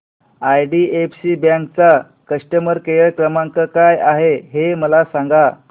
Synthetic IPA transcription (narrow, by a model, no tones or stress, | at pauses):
ajɖiepsibjãŋkt͡sa | kəʂʈəməɾkejəɭkɾəmãŋkəkajaɦeɦeməlasãŋɡa